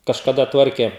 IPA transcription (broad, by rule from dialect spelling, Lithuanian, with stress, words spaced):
kɐʃkɐˈdɐ ˈtʋɐrʲkʲeː